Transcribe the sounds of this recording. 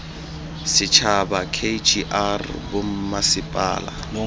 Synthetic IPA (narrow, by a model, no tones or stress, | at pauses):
sɪt͡ʃʰabakʰed͡ʒiʔarbom̩masɪpʼa̰ːla̰